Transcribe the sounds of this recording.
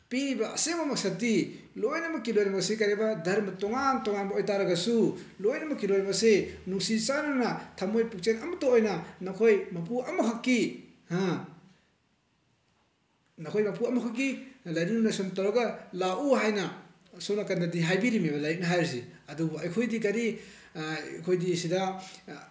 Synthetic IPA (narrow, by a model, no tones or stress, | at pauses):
piɾibɐɐ̰seŋbɐmɐksɐtːi | lojnɐmɐkːilojnɐmɐɡsekaɾebɐdʱɐɾmɐtoŋantɔŋanbɐojtaɾɐɡɐsulojnɐmɐkːilojɐmɐɡsenuŋsisananɐtʰamojpuk̚t͡ʃenɐmɐtoojnɐnɐkʰojmɐp̬uɐmɐkʰakːi | hã | nɐkʰojmɐpuɐmɐkʰak̬ːilɐjɾinunɐsomtawɾɐɡɐlaʔuɦajnɐ | sownɐkɐndadiɦajbiɾimebɐlajik̚nɐɦajɾs̬iɐdubuɐjkʰojdikɐɾi | kʰojdisida